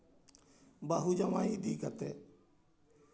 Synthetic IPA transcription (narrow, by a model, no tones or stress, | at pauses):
baːɦud͡ʒamãːiːd̪iːkət̪eː